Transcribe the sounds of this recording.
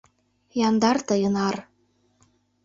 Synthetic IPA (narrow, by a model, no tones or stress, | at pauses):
jɑnd̪ɑrt̪ɤjənɑr